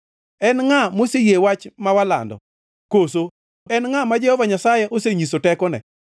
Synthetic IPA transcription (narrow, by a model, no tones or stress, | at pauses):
ɛnŋamosejewat͡ʃmawala̰ndɔ̰ | koso | ɛnŋamad͡ʒɛhɔvaɲasajɛʔoseɲisotɛkɔnɛ̰